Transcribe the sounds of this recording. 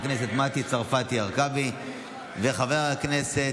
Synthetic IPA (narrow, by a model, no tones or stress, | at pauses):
knese̞t̪mat̪it͡saʁfat̪iaʁkavi | veχaveʁalaknese